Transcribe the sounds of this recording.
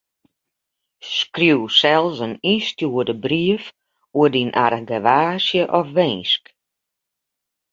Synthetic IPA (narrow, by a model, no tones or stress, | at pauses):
skrjuwsɛlˠsənistjuədəbriəf | uədinʔa̰rɡəʋaːsjəʔɔfʋɛjnsk